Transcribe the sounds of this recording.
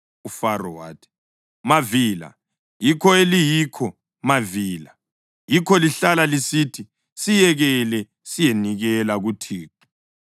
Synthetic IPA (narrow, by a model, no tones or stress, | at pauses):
ufarɔwa̰ːtʰʼɛ̥ | maviːla̰ | jikʰɔelijikʰɔ | maviːla | jikʰɔliɬalalisitʰi | sijɛɣɛlɛ | sijeniɣɛlaɣutʰiːǁu̥